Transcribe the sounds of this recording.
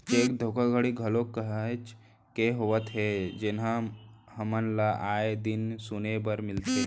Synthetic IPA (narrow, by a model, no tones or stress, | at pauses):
t͡ʃek̚d̪ʱokaɡʱəɽiɡʱəlokːəɦət͡ʃ | keɦoʋət̪ɦed͡ʒenɦãhəmənlaʔaed̪insunebəɾmɪlt̪e